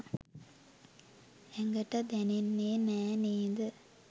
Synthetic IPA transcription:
eŋɡɐʈːɐd̪ɛninːeːnɛːniːd̪ɨ

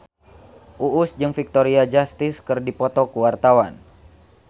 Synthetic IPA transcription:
ʔuʔusd͡ʒɨŋfik̚t̪ɔɾiad͡ʒast̪iskɨrdipɔt̪ɔkuwart̪awan

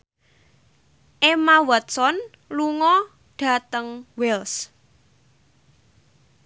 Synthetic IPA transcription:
ʔemawət̪̚sɔn | luŋɔ | ɖ̥a̤t̪əŋwɛls

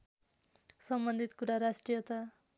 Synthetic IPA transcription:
sʌmbʌnd̪ʱit̪kuɾaɾasʈrijʌt̪a

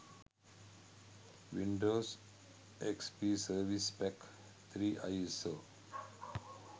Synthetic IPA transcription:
ʋĩɳɖoːs | ekspiːsəɾʋispɛk | t̪ʰɾiːʔajso

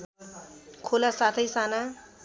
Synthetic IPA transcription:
kʰolasat̪ʰʌjsana

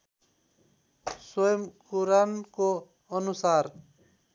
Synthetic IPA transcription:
swʌjʌmkuɾanko | ʌnusar

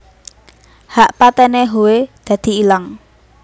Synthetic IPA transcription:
haʔpat̪ɛneɦowed̪̥ä̤d̪̥i̤ilaŋ

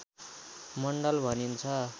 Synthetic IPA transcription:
mʌɳɖʌlbʱʌnint͡sʰʌ

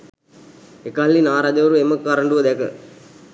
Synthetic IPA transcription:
ekalːinaːɾaːd͡ʒɐʋəɾueməkːaɾəɳɖuʋəd̪ɛkə

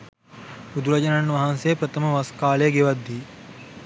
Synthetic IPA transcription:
ud̪uɾɐd͡ʒɐnanːʋaɦansejəpɾɐt̪ʰəməʋaskaːlejəɡeʋad̪ːiː

